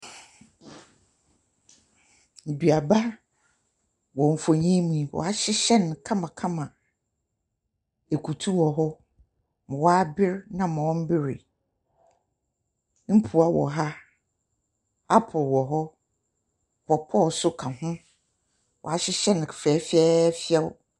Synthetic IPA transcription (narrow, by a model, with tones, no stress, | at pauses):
di˨a˨ba˦ | wɔ̃˨m̩˨fo˨ɲɛ̃˦mũ˨wɔ̰˨a˦ɕɪ˦ɕɛ˦n˨kʰã˦mã˨kʰã˦mã˨ | e˨kʰu˨tʰu˦wɔ˨ɦɔ˦ | mʊ̃˨wa˦bɪ˦ɾnã˦m̃˨wɔ̃˦m̩˦bɪ˦ɾɪ̰˨ | m̩˦pʰu˨a˨wɔ̰˨ɦa˦ | a˦pʰɔ˨wɔ˨ɦɔ˦ | pʰɔ˨pʰɔ˦˨sʊ˦kʰã˨ɦʊ̃˦ | wʔɔ̰˨a˨ɕɪ˦ɕɛ˦n˨fɛː˨˦fɛ˦fɪ˦ɛ˦w